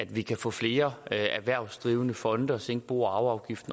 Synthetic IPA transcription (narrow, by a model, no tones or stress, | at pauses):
æd̥ʋikʰæfɔ̰̽ːfle̝ːɐæʋæɐ̰ʊsd̥ʁiːʊənəfɒ̽nd̥əɒ̽seŋɡ̥əb̥ṵːɑ̈ʊɑ̈ʊɡ̥ifd̥n̩